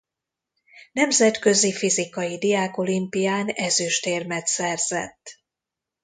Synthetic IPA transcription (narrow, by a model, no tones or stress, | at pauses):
nɛmzɛt̪kø̞zifizikɒjid̪iaːko̞limpijaːnɛzyʃt̪eːrmɛt̪sɛrz̥ɛ̰t̪ː